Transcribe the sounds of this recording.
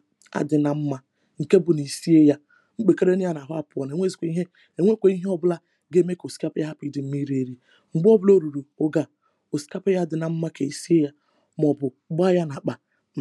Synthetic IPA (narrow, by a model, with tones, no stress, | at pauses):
a̰˨dɪ˨na˨m̩˦ma˦ | ŋ̩˨ke˦bʊ˨ni˨si˦e˦ja˦ | ŋ͡m̩˦k͡pe˨ke˦ɾe˦nɪ˦ja˦n˨a˨ɦʊ˦a˦˨pʊ˨ɔ˨n˨e˨ŋʷe˦zi˨kʷe˨˦i˦ɦe˦ | e˨ŋʷe˦kʷe˨i˦ɦe˦ɔ˦bʊ˦la˦ | ɡe˦me˦ko˨si̥˦ka˦pja˦ɦa˦pi˦dɪ˨m̩˦mi˦ɾe˦ɾi˦ | ŋ͡m̩˨ɡ͡bɔ˦bʊ˦lo˦ɾu˨ɾu˨o˦ɡa˨ | o˨si̥˨ka˦pe˦ja˦˨dɪ˨na˨m̩˦ma˦ke˨i˨si˦e˦ja˦ | mɔ˨bʊ˨˦ba˦ja˦na˨k͡pa˨